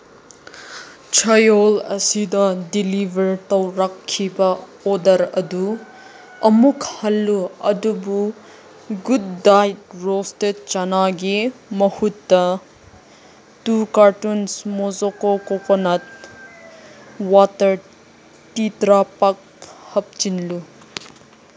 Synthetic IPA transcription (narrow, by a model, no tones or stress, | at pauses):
t͡ʃʰɐjolɐsid̪ɐdilibʱɐɾt̪ɐwɾakʰːibɐ | ɔdɐɾɐd̪u | ɐmukhɐlːuɐ̰d̪ubu | ɡud̪̚ːajtɾostet̚t͡ʃɐnaɡimɐhutːɐ | tukaɾtunsmɔzokokokonɐt̚ | watɐɾ | titɾapak̚hɐp̚t͡ʃinlu